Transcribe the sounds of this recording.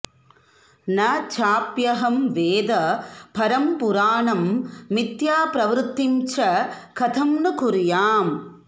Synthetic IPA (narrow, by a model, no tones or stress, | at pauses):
nɐt͡ʃaːpjɐɦɐmʋeːd̪ɐpɐɾɐmpʊɾaːɳɐmːɪt̪jaːpɾɐʋɾt̪ːɪmt͡ʃɐkɐt̪ʰɐmnɯkʊɾɪjaːm